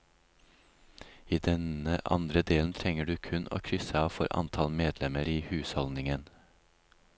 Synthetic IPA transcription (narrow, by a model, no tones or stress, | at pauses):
iːd̪ɛnəʔɑ̰nd̪ɾəd̪eːln̩t̪ʰɾɛŋəɖʉːkʰʉnʔo̰ːkʰɾʏsəɑːʋfɔ̰ɾʔɑ̰nt̪ʰɑlmeːd̪lɛməɾiːhʉːshɔlnɪŋən